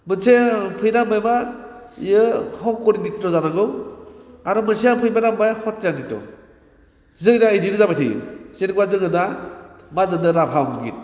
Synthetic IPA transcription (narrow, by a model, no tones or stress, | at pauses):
mɯnsepʰɯjɾambajma | jɯhɔŋkɔɾibik̚tɔzanaɡɯw | aɾɔmɯnsejapʰɯjbaɾambajhɔt̚janditɔ̰ | zɯjnaːjdinɯzabajtʰɯjɯ̰senkwazɯŋɯdamadɯndɯɾapʰawmɯɡit̚